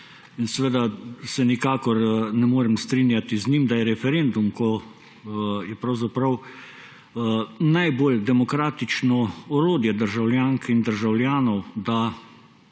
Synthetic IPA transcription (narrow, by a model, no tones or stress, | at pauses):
insɛʋeːd̪asɛnikaːkɔɾnɛmoːɾɛmst̪ɾiːnjat̪iznimd̪ajɛɾɛfɛɾend̪umkɔ | jɛpɾawzapɾɐw | najbold̪ɛmɔkɾaːt̪it͡ʃnɔɔɾoːd̪jɛd̪əɾʒawljaːŋkind̪əɾʒawlʲjaːnɔwd̪a